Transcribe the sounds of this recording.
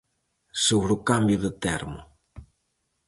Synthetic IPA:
soβɾukambjʊðət̪ɛɾmʊ̰

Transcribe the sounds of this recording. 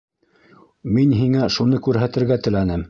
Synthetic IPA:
minɦiŋæʃunɤkʉɾɦæt̪ɘ̆ɾɡæt̪ɘ̆lænɘm

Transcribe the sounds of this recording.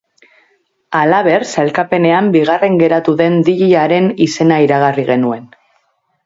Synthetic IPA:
alaβe̞rselkape̞ne̞ambiɣ̞are̞ŋɡe̞ɾat̪uðe̞nd̪iʎiaɾe̞nise̞naiɾaɣ̞ariɣe̞nue̞n

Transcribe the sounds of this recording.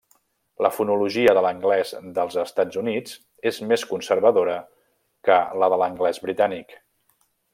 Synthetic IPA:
ləfunuluʒiəðələŋɡlɛzðəlˠzəst̪ad͡zunid͡z | ezmeskunsəɾβəðoɾə | kələðələŋɡlɛzβɾit̪anik

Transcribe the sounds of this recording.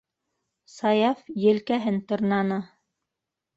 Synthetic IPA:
sɑjɑfjɘ̆lkæɦɘnt̪ŏɾnɑnɤ

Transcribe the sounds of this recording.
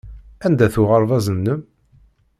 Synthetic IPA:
ænd̪æθʊʁəɾˤvɑzənːəm

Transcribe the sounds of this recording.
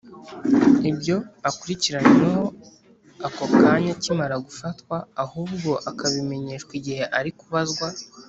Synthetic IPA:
ibjo̞akuɾiciɾaɲeneho̞ | akokaɲacimaɾaɡufatkwaːhuːbɡo̞ʔakaβime̞ɲeːʃkwiɟihe̞ʔaɾikuβazɡwa

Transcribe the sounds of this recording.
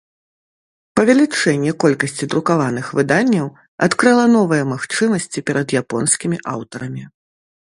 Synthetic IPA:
pɐvʲɛlʲit͡ʂɛnʲːɛkɔlʲkɐsʲt͡sʲid̪ɾukavanɨxvɨd̪anʲːɐw | at̪kɾɨlˠɐn̪ɔvɨjɛmaxt͡ʂɨmɐsʲt͡sʲipʲɛɾɐd̪japɔnskʲimʲiʔa̰wt̪ɐɾɐmʲi

